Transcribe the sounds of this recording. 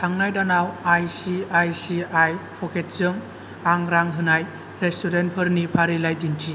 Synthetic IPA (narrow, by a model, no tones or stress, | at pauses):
tʰaŋnajdanawajsiajsiajpʰɔkʰet̚zɯŋ | aŋɾaŋɦɯnaj | ɾestuɾentpʰɯɾnipʰaɾilajdintʰi